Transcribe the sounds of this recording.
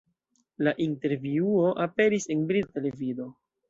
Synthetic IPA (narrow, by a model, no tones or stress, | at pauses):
laʔinte̞ɾviuo̞ʔape̞ɾise̞nbɾite̞le̞vido̞